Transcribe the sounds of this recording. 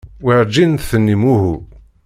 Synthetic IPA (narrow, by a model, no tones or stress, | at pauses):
wiʕd͡ʒːint̪θənːimuɦu